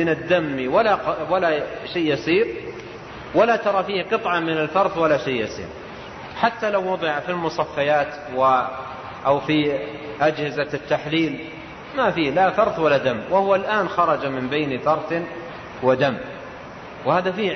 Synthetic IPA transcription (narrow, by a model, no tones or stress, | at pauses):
mɪnɪd̪ːamːiwalawalaʃeːjɑsˤiːɾ | walat̪ɑɾˤɑfiːhqɨt̪ˤʕɑmɪnalfɑɾˤθwalaʃejːjɑsˤḭːɾ | ħat̪ːalawːʊd̪ˤɨʕafilmʊsˤɑfːajaːt̪ | wɪ | ʔawfi | ʔad͡ʒhɪzat̪ːaħliːl | mafiːhlafɑɾˤθwalːad̪amːwahwalʔaːnxɑɾˤɑd͡ʒamɪmbejnfɑɾˤθ | wad̪amː | whaːðafiː